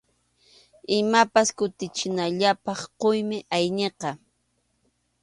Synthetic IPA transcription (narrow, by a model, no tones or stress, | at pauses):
ɪmapaskʊt̪ɪt͡ʃɪnaʎapɑχqojmɪʔajneqɑ